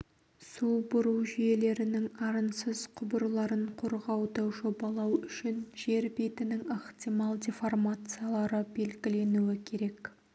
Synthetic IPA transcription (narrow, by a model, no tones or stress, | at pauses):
subʊɾuwʒije̞le̞ɾɪnɪŋɑɾənsəz̥qʰʊbəɾlˠɑɾəɴqʰoɾʁɑwd̪əʒo̞bɑlˠɑwʏʃɪnʒe̞ɾbet̪ɪnɪŋɑχt̪ʲijmɑlˠdʲeformat̪sɨjalˠɑɾəbe̞lɡʲɪle̞nuɪkʲʰe̞ɾe̞k